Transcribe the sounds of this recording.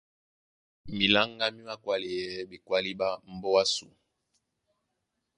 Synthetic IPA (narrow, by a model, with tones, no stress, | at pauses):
mi˨la˦ŋɡa˦mi˦ma˦kwa˦li˨jɛ˦bi˨kwa˦li˦ba˦m̩˦bɔ˦wa˦sṵ˨